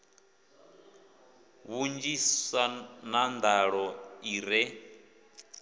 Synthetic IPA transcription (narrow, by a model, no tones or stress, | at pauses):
βund͡ʒissanand̪aɺɔiɾɛ